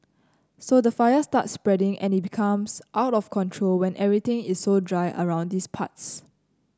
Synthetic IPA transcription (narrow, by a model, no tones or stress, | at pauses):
sodəfajəsta̰tsːpɹɛdɪ̃ŋʔɛ̰̃nit̚bikʰãmsʔaʊtɔfkʰɔ̃ntʰɹolwɛ̃nʔɛvɹit̪ɪ̃ŋissodɹaɪʔə̰ɹãʊ̃ndispʰa̰ts